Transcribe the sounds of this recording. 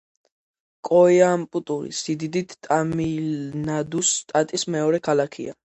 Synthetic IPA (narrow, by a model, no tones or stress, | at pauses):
kʼɔjampʼut̪ʼuɾḭsid̪id̪it̪t̪ʼamilnad̪ust̪ʼat̪ʼismɛɔɾɛkʰalakʰḭa